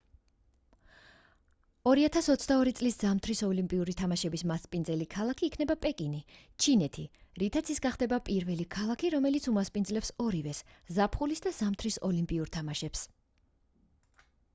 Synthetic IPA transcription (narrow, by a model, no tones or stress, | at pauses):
ɔɾiat̪ʰasɔt̪sʰd̪aɔɾit̪sʼliszamt̪ʰɾisɔlimpʼiuɾit̪ʰamaʃɛbismaspʼind̪zɛlikʰalˠakʰiːkʰnɛbapʼɛkʼini | t͡ʃʰinɛt̪ʰiɾit̪ʰat̪sʰisɡaχd̪ɛbapʼiɾvɛlikʰalˠakʰiɾɔmɛlit̪sʰumaspʼind̪zlɛpsɔɾivɛszapʰχulisd̪az̥amt̪ʰɾisɔlimpʼiuɾt̪ʰamaʃɛps